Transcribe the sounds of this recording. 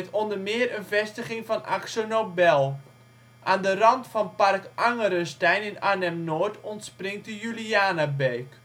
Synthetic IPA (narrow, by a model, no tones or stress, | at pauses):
tɔndərmɪərənvɛstəχɪŋfɔnʔa̰ksonobɛlˠ | ʔaːndərɑntfɔnparkʔaŋəɾəstɛjnɪnanɛmnoːɹtʰɔntsprɪŋtdəjyliaːnabeːk